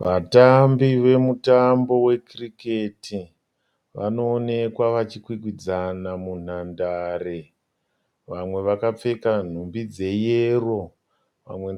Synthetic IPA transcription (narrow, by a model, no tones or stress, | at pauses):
ʋatambiʋe̞mutambo̞we̞krike̞ti | ʋa̰no̞ːne̞kwaʋat͡ʃikwik̬wid͡zanamun̤andare | ʋamwe̞ʋakap͡fe̞kan̤umbid͡ze̞jero̞ | ʋa̰mwe